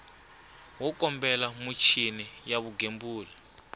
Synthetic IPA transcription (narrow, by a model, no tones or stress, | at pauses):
wɔkɔmbɛlamut͡ʃʰinijaβuɡembuːli